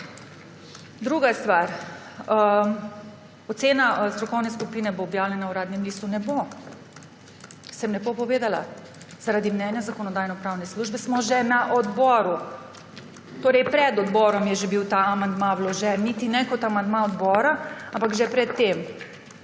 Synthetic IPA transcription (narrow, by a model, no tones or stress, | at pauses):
d̪ɾuɡast̪ʋaɾ | ɔt̪seːnast̪ɾɔkɔwnɛskupinɛboːbjaːwlʲɛnauɾaːd̪nɛmlist̪unɛbo | sɛmlɛbopɔʋeːd̪ala̰ | z̥aɾad̪imnɛnjazakɔnɔd̪aːjnɔpɾawnɛsluʒbɛsmɔʒɛnaʔɔd̪bɔːɾu | t̪oːɾɛjpɾɛd̪ɔd̪bɔɾɔmjɛʒɛbiwt̪aamand̪mãwlɔʒɛnnit̪inɛkɔt̪amand̪mãɔd̪bɔːɾaampaɡʒɛpɾɛt̪ːem